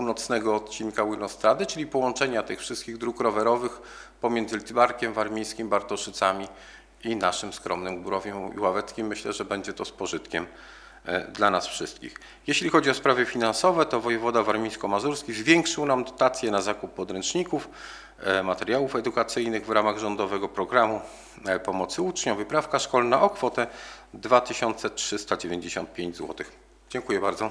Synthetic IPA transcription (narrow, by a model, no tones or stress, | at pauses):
punɔt̪snɛɡɔːt̪̚t͡ɕinkawilɔst̪ɾad̪ɘt͡ʂɘlʲipɔwɔnt͡ʂɛɲat̪ɘxfʂɘst̪̚kʲiɣd̪ɾukɾɔvɛɾɔvɘx | pɔmʲjɛnd̪zɘlʲit̪baɾkʲɛmvaɾmʲijskʲimbaɾt̪ɔʂɘt̪samʲi | inaʂɘmskɾɔmnɘmɡbuɾɔvʲjɛḭwavɛt̪skʲimːɘɕlɛʐɛbɛɲd͡ʑɛt̪ɔspɔʐɘt̪kʲɛm | d̪lanasfʂɘst̪̚kʲḭx | jɛɕlʲixɔd͡ʑiɔspɾavɘfʲinansɔvɛt̪ɔvɔjɛvɔd̪avaɾmʲiskɔmazuɾskʲizvʲjɛŋkʂɘwnamd̪ɔt̪at̪sʲjɛnazakupːɔd̪ɾɛnt͡ʂɲikuf | mat̪ɛɾjawufɛd̪ukat̪sɘjnɘɣvɾamaɣʐɔnd̪ɔvɛɡɔpɾɔɡɾamu | pɔmɔt̪sɘut͡ʂɲɔvɘpɾafkaʂkɔlnaʔɔkfɔt̪ɛ | d̪vat̪ɘɕɔnt̪sɛtʂɘst̪ad͡ʑevʲeɲd͡ʑeɕɔ̰nt̪̚pʲjeɲd͡ʑzwɔ̰t̪ɘx | d͡ʑɛŋkujɛbaɾd̪zɔ